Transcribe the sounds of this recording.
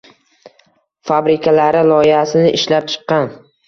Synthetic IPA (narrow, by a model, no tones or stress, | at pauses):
fabɾɪkʰʲalaɾɪlɒɪhasɪnɪʔɪʃlap̚t͡ʃʰɨ̥qːɑn